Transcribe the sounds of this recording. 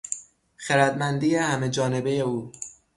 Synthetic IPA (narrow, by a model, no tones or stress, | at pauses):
xeɾæd̪mænd̪iːjehæme̞d͡ʒɒːne̞be̞je̞uː